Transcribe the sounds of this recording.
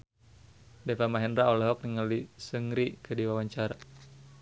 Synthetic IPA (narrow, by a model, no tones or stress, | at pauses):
dɛpamaɦɛnraɔlɛɦɔk̚niŋalisəŋɾikədiwawaɲt͡ʃaɾa